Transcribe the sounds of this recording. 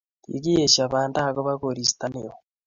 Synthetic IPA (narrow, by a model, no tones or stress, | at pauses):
tḭɣijeʃaβaːndaɣoβaɣoɾisi̥taneo